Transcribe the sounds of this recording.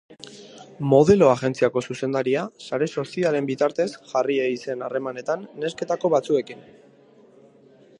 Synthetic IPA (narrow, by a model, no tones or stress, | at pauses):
mo̞ð̞e̞lo̞aɣe̞nt͡siako̞suse̞nd̪aɾiasaɾe̞so̞siale̞mbit̪aɾt̪e̞sʝarieise̞nare̞mane̞t̪anːe̞ske̞t̪ako̞βat͡sue̞kin